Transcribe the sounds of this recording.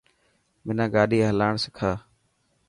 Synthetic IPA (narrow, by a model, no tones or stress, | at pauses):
mɪnãːɡaːɗiːɦəlaːɳsɪkʰaː